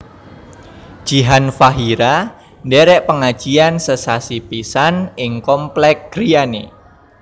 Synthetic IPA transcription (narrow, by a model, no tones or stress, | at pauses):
d̥ʒ̥iɦanfaɦiɾa | ndɛɾɛʔpəŋḁʒ̥iansəsasipisanɪŋkɔmplɛk̚ɡɾianḛ